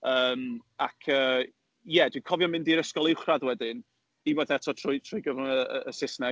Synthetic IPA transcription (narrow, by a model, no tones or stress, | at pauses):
əːmakʰəː | jɛdwikʰɔvjɔmɪndiɾəskɔlˠɪwχraðwɛdɪn | imwɛθɛtʰɔtʰrʊjtʰrʊjɡəvʊnəə̰ːsɪsnɛ